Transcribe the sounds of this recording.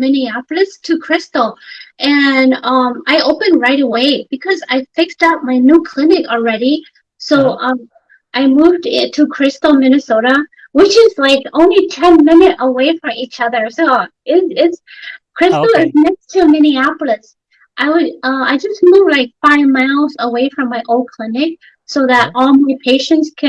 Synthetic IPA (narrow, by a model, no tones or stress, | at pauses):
mɪniæpl̩ˠɨstʰɨkʰɹ̥ɪstl̩ˠʔɨ̃nʌ̃maɪoʊpɨ̃nɹaɪɾəweɪb̥ɨkʰʌza̰ɪfɪkstaʊt̚maɪnukʰl̥ɪnɨkl̩ˠɹɛɾi | soʊʔʌ̃ | ʔaɪmuvdɪ̃tʰɨkʰɹ̥ɪstl̩ˠmɪnɨsoʊɾə | wɪt͡ʃɪzlaɪkõʊ̃nlitʰɛ̃nmɪ̃nɨɾʔəweɪfɹʌ̃mit͡ʃʌðə˞soʊɪɪtskʰɹ̥ɪstl̩ˠɪznɛkstʰɨmɪniæpl̩ˠɨs | ʔaɪwɨɾʌaɪd͡ʒʌst̚muvlaɪkfaɪvmaɪlˠzəweɪfɹʌ̃mːaɪʔoʊlˠd̚kʰl̥ɪnɪk̚ | soʊðɨɾɔlˠmaɪpʰeɪʃɨ̃ntskʰɨ̃